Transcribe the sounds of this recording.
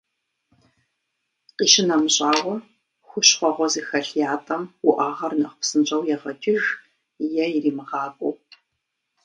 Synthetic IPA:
qiːʃɪnɐmɨɕʼaːwɐ | xʷʊɕχʷɔʁʷɔziːxɐɬjaːtʼɐmwʊʔaːʁɐrnɐχʷʊpsɨnt͡ʃʼɐwjɛʁɐtʰʼɪʒ | jɛiriːmɨʁɑːkʷʼʊw

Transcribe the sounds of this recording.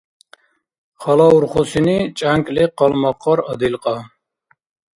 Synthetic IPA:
χɑlɑuɾχosinit͡ʃʼaŋkʼliqɑlmɑqʰːɑɾəd̪ilqʼɑ

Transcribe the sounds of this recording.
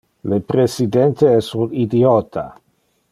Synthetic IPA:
lepɾesid̪ɛnt̪eɛsunid̪iot̪ʰa̰

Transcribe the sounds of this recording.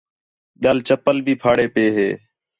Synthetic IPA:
ɓjaːlt͡ʃəpəlbʱiːpʰaːɽeːpeːɦeː

